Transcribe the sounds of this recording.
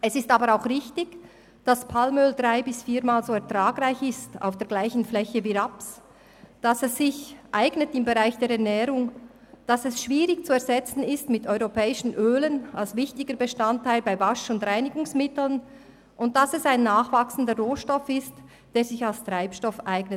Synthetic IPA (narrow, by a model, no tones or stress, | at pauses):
ɛsɪstaːbəɾaʊxʁɪçtɪɡ | d̥aspʰalmøːldʁaɪbɪsfiːɾmaːlzoːɛɐʁtʁaːɡraɪçɪsta̰ʊfd̥eːɐɡ̥laɪçn̩flɛçəviɾaps | d̥asɛsːɪçʔaɪɡnətɪmbeʁaɪçd̥eːɾɛɐnɛːɾʊŋ | d̥asɛsʃv̥iːɾɪçt͡suɛɾzɛt͡sn̩ɪstmɪtɔʏʁopʰɛːɪʃn̩ʔøːlənalsvɪçtɪɡəbəʃtantːaɪlbaɪvaʃʊndʁaɪnɪɡʊŋsmɪtl̩n | ʔʊnt̚d̥asɛsaɪnːaːχv̥aksn̩dəʁoːʃtɔfɪst | d̥eːɾz̥ɪçalstʁ̥aɪpʃtɔfʔaɪɡnət